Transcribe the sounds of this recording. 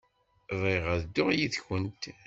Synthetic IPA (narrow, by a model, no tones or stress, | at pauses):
viʁæðd̪ːʊʁjiθçənt̪